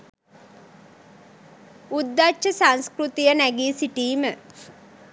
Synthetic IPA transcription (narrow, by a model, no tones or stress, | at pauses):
ud̪ːat͡ʃʃəsanskɾut̪ijənæɡiːsiʈiːmə